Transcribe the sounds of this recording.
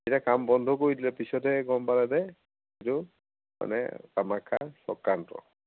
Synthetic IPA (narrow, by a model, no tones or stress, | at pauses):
ejtakambɔndʱɔkoɹidilɛpisɔtɛɡɔmpaladɛ | itu | ma̰nɛ̰tamakʰːasɔ̰kːantɔ̰